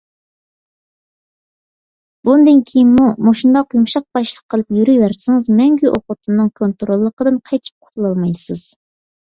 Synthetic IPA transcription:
bund̪ɨnkʲʰejinmumoʃund̪ɑqjumʃɑq̚bɑʃlˠə̥qʰːəlˠɨpjyɾyjwæɾsɪŋɨzmɛŋɡʲyʔoqʊt̪ʰɨnːɨŋkʰont̪ɾolˠːəqəd̪ɨnqʰɑjt͡ʃ̪ʰi̥p̚qʰʊ̥t̪lˠɑlˠmɑjsɨz̥

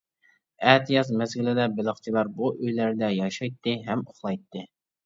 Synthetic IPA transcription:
ɛːt̪ʰijɑzmɛzɡʲilɪd̪ɛbɪlˠəχt͡ʃʰilˠɑɾbuʔøjlæɾd̪ɛjɑʃɑjt̪ʰːɨɦɛmoχlˠɑjt̪ʰːɨ

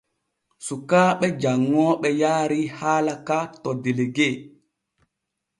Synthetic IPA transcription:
sukaːɓɛd͡ʒaŋːɔɓɛjaːɾihaːlakatɔdeleɡe

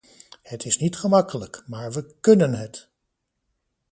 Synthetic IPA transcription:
hətɪsnitχəmɑkələkmaːɹʋəkɵnənɦət

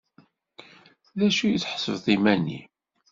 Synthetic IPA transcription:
ðæʃujiθħə̥səvθˤimænːḭ

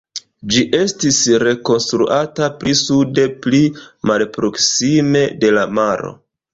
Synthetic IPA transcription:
d͡ʒiʔe̞stisɾe̞ko̞nstɾṵʔatapɾisude̞plimalpɾo̞ksime̞de̞lamaɾo̞̰

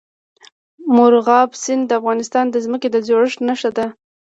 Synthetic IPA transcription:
mʊɾɣɑbsɪnd̪əafɣɑnɪst̪ɑnd̪əzməked̪əzoɽəʂnəʃad̪a

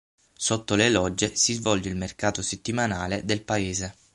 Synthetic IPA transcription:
sot̪ːolelɔd͡ʒːesizvɔld͡ʒeilmerkaːt̪oset̪ːimanaːled̪elpaeːze

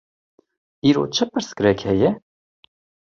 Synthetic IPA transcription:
iːɾo̰ːt͡ʃʰɨpɨɾsɡɾɛkhɛjɛ

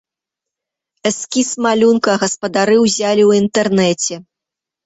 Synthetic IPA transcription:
ɛskʲismalʲunkɐɣɐspɐd̪aɾɨwzʲalʲiwint̪ɛrnɛt͡sʲɛ

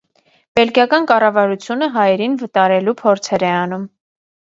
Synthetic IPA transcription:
b̥ɛlkjɑkɑnkɑrɑvɑɾut͡sʰjunəɦɑjɛɾinvət̪ɑɾɛlupʰɔɾt͡sʰɛɾɛɑnum

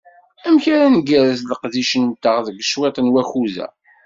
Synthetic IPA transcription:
æmçaɾænəɡæɾəsðəqðiʃənt̪ːəʁðəɡʃwet̪ˤnwæçuðæ̰

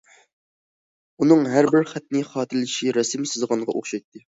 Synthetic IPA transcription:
unɨŋɦæɾbɪɾχæt̪̚nɪχɑːt̪ʰɪlɪʃiɾɛsɪmsɨzʁɑŋʁɑʔoχʃɑjt̪ːɨ

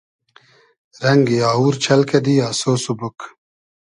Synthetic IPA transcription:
ɾɐŋɡijaːuːɾt͡ɕʰɐlked̪iːaːsoːsubuk

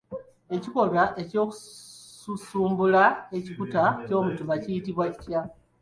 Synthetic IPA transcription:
e̞ciko̞βaʔe̞co̞ːku̥ | usuːmbulae̞cikutaco̞ːmutuβacijitiβwaci̥tja

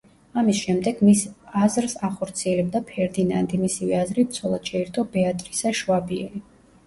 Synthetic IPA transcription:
amisʃɛmd̪ɛɡ̥misazɾsaχɔɾt̪sʰiɛlɛbd̪apʰɛɾd̪ina̰nd̪imisivɛazɾibt̪sʰɔlˠad̪̥ʃʰɛɛɾt̪ʰɔbɛat̪ʼɾisaʃvabiɛ̰li

